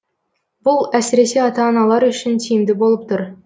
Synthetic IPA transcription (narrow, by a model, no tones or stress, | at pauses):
bʊlˠæsɪɾeseɑt̪ɑːnɑlˠɑɾɵɕɪnt̪ʲʰijɪmd̪ɪbolˠəp̚t̪ʊɾ